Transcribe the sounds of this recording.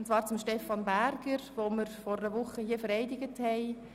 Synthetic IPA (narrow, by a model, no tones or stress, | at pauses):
ʊntt͡svɑːɾt͡sʊmʃtɛfɑnbæɾɡ̥əɾʋoːməɾfɔɾɾəʋʊχəhiːəfəɾɛɪdɪɡəthɛɪ